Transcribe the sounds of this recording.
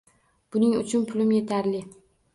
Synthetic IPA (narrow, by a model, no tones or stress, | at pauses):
b̥ʊnɪŋʊ̰t͡ʃʰʊnpʰʊlɪmje̞t̪ʰaɾlɪ